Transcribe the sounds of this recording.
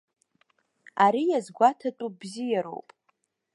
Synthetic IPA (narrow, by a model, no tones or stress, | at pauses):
aɾijazɡʷatʰatʼubzijaɾo̞̰wpʼ